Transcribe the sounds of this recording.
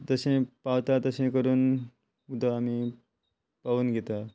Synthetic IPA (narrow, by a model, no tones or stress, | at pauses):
d͡zəsẽpawt̪at̪əsẽkəɾuːn | ud̪ʱəami | paʋuːnɡet̪a